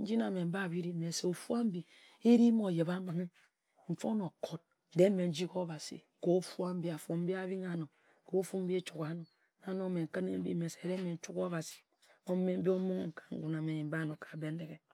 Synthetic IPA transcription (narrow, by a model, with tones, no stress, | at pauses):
n̩˦d͡ʒi˦na˨me˨m̩˦ba˦˨βi˦ɾi˦me˨se˨o˨fu˦a˦m̩˦bi˨ | i˦ɾi˦mo˨je˨βa˦ma˨˦ŋi˦ | ɱ̩˨fo˦no˨kʰo˦t̚ | de˦me˨n̩˦d͡ʒi˦ko˦ba˨sḭ˨ | ko˦fu˦a˦m̩˦bi˦a˨fo˨m̩˦bi˦a˦βi˦ŋa˨no˨ | ko˦fu˦m̩˦bi˦e˦t͡ʃu˨ka˨˦no˨ | a˦no˦˨me˨ŋ̩˨kə˦nḛ˦m̩˦bḭ˦me˨se˨de˦me˨n̩˦t͡ʃu˦ko˦βa˨si̥˨ | o˦me˦m̩˦bi˦o˦mu˦ŋ˦ŋ̩˨kḁ˨ŋ̩˦ɡu˦na˨me˨ɲi˨m̩˦ba˦˨no˨kḁ˨be˦n˦de˨ke˨